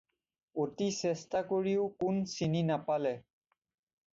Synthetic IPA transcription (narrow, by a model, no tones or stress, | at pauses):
otisɛstakoɹiʊkunsininapalɛ